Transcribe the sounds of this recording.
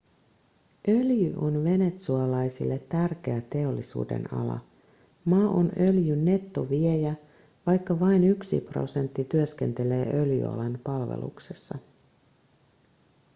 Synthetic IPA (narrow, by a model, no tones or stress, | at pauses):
ʔø̞ljyʔo̞nʋe̞ne̞t̪suɑlɑjsilːe̞t̪ːærk̟e̞æt̪e̞o̞lːisṵːde̞̰nɑ̰lɑ̰ | mɑːʔo̰nø̞ljynːe̞t̪ːo̞ʋiejæ | ʋɑjkːɑʋɑjnyksḭpro̞̰se̞nt̪ːit̪yøsk̟e̞nt̪e̞le̞ːʔø̞ljy̰ɑ̰lenpɑlʋḛlṵksesːɑ